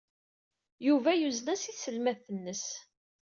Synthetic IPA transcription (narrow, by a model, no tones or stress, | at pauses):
juvæjuznæsisəlmæθənːəs